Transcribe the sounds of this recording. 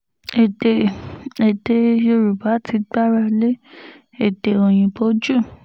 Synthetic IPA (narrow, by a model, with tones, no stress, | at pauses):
e˨te˨e˨de˧jo˧ɾu˨ba˨˦tʰi˧ɡ͡ba˦ɾa˧le˦ | e˦˨de˨o˨j̃ĩ˨bo˦d͡ʒu˦˨